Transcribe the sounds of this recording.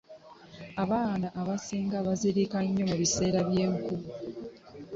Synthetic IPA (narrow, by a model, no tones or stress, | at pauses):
aβaːnaʔːβasiːŋɡaβaziɾikaɲːo̞muβise̞ːɾaβje̞ːŋku